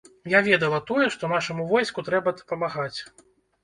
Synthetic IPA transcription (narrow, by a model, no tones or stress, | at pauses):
javʲɛd̪ɐlˠɐt̪ɔjɛʂt̪ɔnaʂɐmuvɔjskut̪ɾɛbɐd̪ɐ̥pɐmaɣat͡sʲ